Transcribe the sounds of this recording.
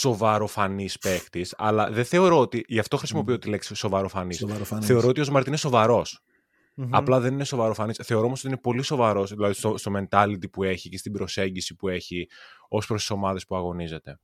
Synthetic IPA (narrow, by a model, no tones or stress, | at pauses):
so̞vɐɾo̞fɐnispe̞xt̪isɐ̰lɐðeθe̞o̞ɾo̞ot̪iʝɐft̪o̞xɾisimo̞piot̪ile̞ksiso̞vɐɾo̞fɐnisθe̞oɾoot̪io̞zmɐɾt̪ine̞so̞vɐɾo̞s | ɐplɐðe̞nine̞so̞vɐɾofɐnisθe̞o̞ɾoosot̪ine̞po̞liso̞vɐɾo̞sðilɐðist̪ost̪o̞me̞nt̪ɐlit̪ipue̞çicest̪ibɾo̞se̞ɲɟisipue̞çio̞spɾost̪iso̞mɐðe̞spuɐɣo̞nize̞t̪e̞